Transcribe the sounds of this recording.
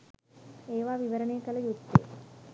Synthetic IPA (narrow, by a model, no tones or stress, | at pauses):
eːʋaːʋiʋəɾəneːkələjut̪ːḛː